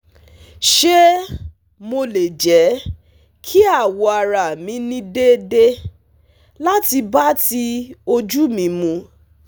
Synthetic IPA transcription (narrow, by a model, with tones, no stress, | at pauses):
ʃe˦ | mo˧le˨d͡ʒɛ˨˦ | kʰi˦a˦˨wɔ˨˧a˧ɾa˨mĩ˧˦nĩ˧de˦de˦ | la˦ti˧ba˦ti˧o˧d͡ʒu˦mĩ˧˦mũ˧